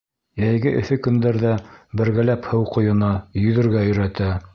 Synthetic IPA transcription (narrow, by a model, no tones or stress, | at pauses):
jæjɡɘʔɵ̆θɵkɵ̆nd̪æɾðæbɘ̆ɾɡælæphɤwqŏjɤ̆nɑjɵ̆ðɘ̆ɾɡæɵ̆ɾæt̪æ